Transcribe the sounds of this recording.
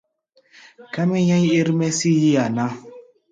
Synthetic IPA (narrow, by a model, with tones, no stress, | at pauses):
kɛ˦mɛ˦ɲã˦ji˦ɾmɛ˦si˦ji˦a˨na˦